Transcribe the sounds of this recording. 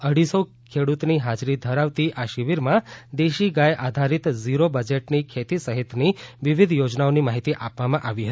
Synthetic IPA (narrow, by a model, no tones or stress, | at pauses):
əɽ̤iso | kʰeɽut̪niɦad͡ʒɾid̪ʱəɾaʋt̪iʔaʃɪʋiɾmãd̪eʃiɡajʔad̪ʱaɾit̪ziɾobəd͡ʒeʈnikʰet̪isəɦit̪niʋiʋid̪ʱjod͡ʒnaonimaɦit̪iʔapʋamãʔaʋiɦət̪i